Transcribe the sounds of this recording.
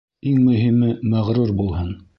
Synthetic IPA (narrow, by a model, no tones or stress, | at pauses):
iŋmɵ̆ɦimɘmæʁɾuɾbulˠhɤn